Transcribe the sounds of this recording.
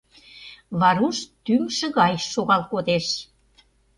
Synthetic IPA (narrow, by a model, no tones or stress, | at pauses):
βɑɾuʃt̪ymʃə̆ɣɑjʃoɣɑlkod̪eʃ